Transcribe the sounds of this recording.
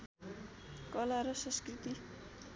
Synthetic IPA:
kʌlaɾʌsʌ̃skrit̪i

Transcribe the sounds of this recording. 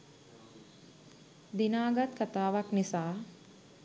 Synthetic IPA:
d̪inaːɡat̪kat̪aːʋaknisaː

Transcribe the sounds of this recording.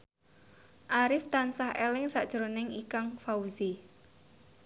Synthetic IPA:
ʔaɾɪft̪ansahelɪŋsaʔd̥ʒ̥ɾonɪŋikaŋfauzi

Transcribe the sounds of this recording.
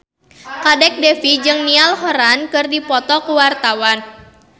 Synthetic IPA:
kadɛk̚dɛfid͡ʒɨŋnialɦɔɾankɨrdipɔt̪ɔkuwart̪awan

